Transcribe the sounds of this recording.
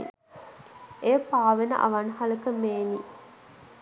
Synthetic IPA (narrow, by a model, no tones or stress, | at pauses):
ejəpaːʋenə̰ʔa̰ʋanhaləkəmeːni